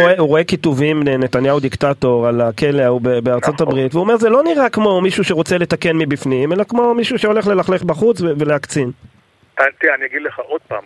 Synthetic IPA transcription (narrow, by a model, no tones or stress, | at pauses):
euʁoekit̪uvimlene̞t̪anjaud̪iktato̞ʁalakeleaubebeaʁt͡so̞t̪abʁit̪veuomeʁzelo̞niʁakmo̞miʃuʃeʁo̞t͡sele̞t̪ake̞nmibifnimelakmo̞miʃuʃeo̞leχle̞laχleχbaχut͡sveve̞leakt͡sin | at̪ianiaɡid̪leχaʔod̪̚pa̰ːm